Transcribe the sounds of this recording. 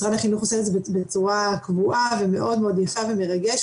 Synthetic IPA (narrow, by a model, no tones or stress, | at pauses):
ʁanaχinuχoseezebebet͡suʁakvuʔaveme̞ʔo̞d̪meod̪jafaveme̞ʁaɡeʃ